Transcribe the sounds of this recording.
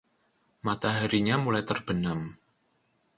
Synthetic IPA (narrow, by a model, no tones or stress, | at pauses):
mat̪aɦaɾiɲamulajt̪ərb̥ənam